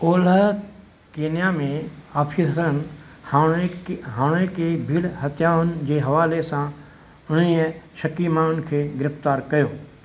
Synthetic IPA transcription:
oːlə | keːnjaːmẽaːpʰisɾən | ɦãːɽ̃ekebʱiɽɦɐt̪jaːʋʊnd͡ʑeːɦɐʋaːlesã | ʊniːəʃɐkimaːʊnkʰeːɡɪɾɪft̪aːɾkɐjoː

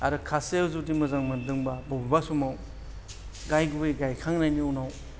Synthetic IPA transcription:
aɾɯkʰasewzutimɯzaŋmɯndɯŋbabɔbbasumaw | ɡajɡubejɡajkʰaŋnajniunaw

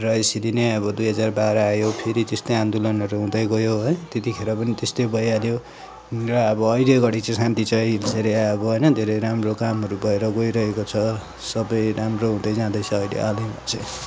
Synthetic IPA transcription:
rʌesilineʌbʌd̪ujɦʌd͡zarbaɾaːjopʰeɾit̪est̪ʌjãnd̪ulʌnʌɾuɦũd̪ʌjɡʌjoɦʌjt̪et̪ikʰeɾapʌnit̪est̪ojbʌjaljo | rʌːbʌːjleɡʌɽit͡sʌ̃sant̪it͡saj̃ilseɾeaʌbʌɦʌjnʌd̪ʱeɾʌjɾamrokamɦʌɾubʌeɾʌɡojɾʌɦekot͡sʰʌ | sʌbʌjramroɦũd̪ʌjd͡zãd̪ʌjt͡sʰʌːjlḛʔalebʌt͡sʰe

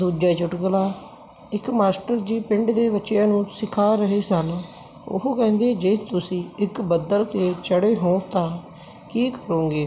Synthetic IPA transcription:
d̪uːd͡ʒaːt͡ʃʊʈɡəlaː | ɪkmaːsʈəɾd͡ʒiːpɪ̃ɳɖd̪eːbətːt͡ʃjãːnũːsɪkʰaːɾəɦeːsən | ʊ̰ɦkɛ̃ːnd̪eːd͡ʒet̪ʊsĩːɪkbəd̪əlt̪eːt͡ʃəɽeːɦõːt̪ãː | kiːkəɾõːɡeː

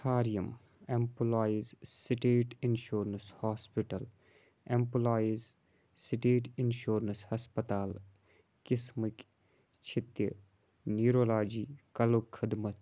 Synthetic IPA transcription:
kʰaːɾijɐm | empulaːizsiʈeːʈinʃoːɾənshaːspiʈɐl | empulaːiz | siʈeːʈinʃoːɾənshɐspɐt̪aːl | kismɨk | t͡ʃʰɪt̪jə | niːɾoːlaːd͡ʒiːkɐlukʰːɪd̪mɐt̪

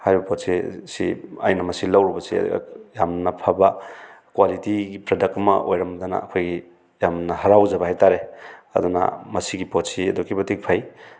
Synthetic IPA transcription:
hajɾibɐpʰotsisḭa̰jnɐmɐsilɐwɾubɐsḭɐ̰dṵɡ̰jamnɐpʰɐbɐ | kwalitiɡipɾedɐk̚tɐmɐ̰ʔojɾɐmdɐnɐ̰ɐ̰kʰojɡi | jamnɐhɐɾawd͡ʒɐbɐhajtaɾeɐ̰d̪unɐ̰mɐsiɡipotsiɐdukibɐtik̚pʰaj

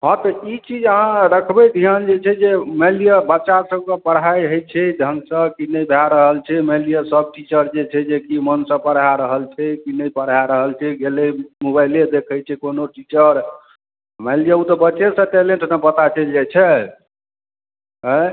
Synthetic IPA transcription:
ɦɔ̃t̪ɔit͡ʃid͡ʒəɦãɾəkʰbɛd̪ʱiand͡ʒet͡ʃʰɛd͡ʒemelijəbət͡ʃasəb̚kə̃pəɽ̤ajɦəjt͡ʃʰɛd̪ʱənsə̃kinəjbʱaɾəɦəlt͡ʃʰɛmelijəsəb̚ʈit͡ʃəɾd͡ʒet͡ʃʰɛd͡ʒekimənsə̃pəɽ̤aɾəɦəlt͡ʃʰɛkinəjpəɽ̤ɦaɾəɦəlt͡ʃʰɛɡelemobajled̪ekʰət͡ʃʰɛkonoʈit͡ʃəɾ | məlijəut̪ɔbət͡ʃesə̃ʈeleɳʈnəpət̪at͡ʃəld͡ʒɛt͡ʃʰɛ | ɦə

